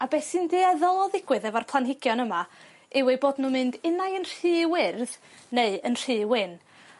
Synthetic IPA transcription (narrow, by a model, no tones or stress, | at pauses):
abɛsɨndeːaðɔlˠɔðɪɡwɨðɛvarpʰlˠanɦɪɡjɔnəma | ɪwɛboːdnumɨndɪnajənr̥ɨːwɪrð | neɨənr̥ɨːwɪn